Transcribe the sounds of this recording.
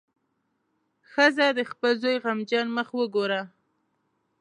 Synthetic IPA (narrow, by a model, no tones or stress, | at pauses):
xəzad̪əxpəlzojɣamd͡ʒɑnməxwəɡoɾa